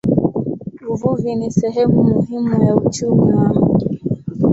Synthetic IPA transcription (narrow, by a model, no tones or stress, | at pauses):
vuvuvinisɛɦɛmumuhimujaut͡ʃumiwaŋɡu